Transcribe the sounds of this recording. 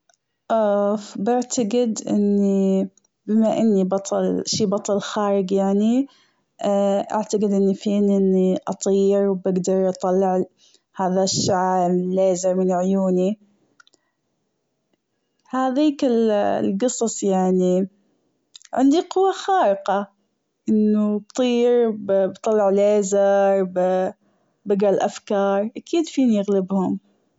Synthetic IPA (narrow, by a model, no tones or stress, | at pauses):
ʔɑbɪʕt̪aɡɪd̪ʔɪ̰nːi | bɪmaʔɪnːibɑt̪ˤɑlʃiːbɑt̪ˤɑlxaːɾɪɡjaʕni | ʔa̰ʕt̪aɡɪd̪ʔɪnːifiːnʔɪnːiʔɑt̪ˤiːɾwbɪɡd̪ɑɾˤʔɑt̪ˤɑlːɪʕ | haːðaʃːaʕbleːzɪɾmɪnʕʊjuːni | haːðiːkɪllɡɨsˤɑsˤjaʕni | ʕɪ̰nd̪iqʊwːaxɑːɾɪqɑ | ʔɪnːubt̪ˤiːɾbbt̪ˤɑlːɪʕleːzɪɾˤb | bɪɡalʔafkɑːɾˤʔakʰiːd̪fiːnjɪɣlɪbhʊm